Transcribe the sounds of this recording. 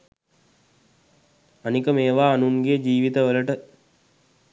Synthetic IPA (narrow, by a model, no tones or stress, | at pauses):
anikəmeːʋaːnuŋɡeːd͡ʒiːʋit̪əʋələʈə